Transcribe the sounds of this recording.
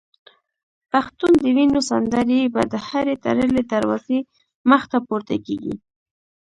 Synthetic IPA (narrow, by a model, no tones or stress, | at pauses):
paxt̪und̪əwinosa̰nd̪aɾibad̪əhaɾet̪a̰ɾəled̪aɾwaze | məxt̪apuɾt̪a̰keɡḭ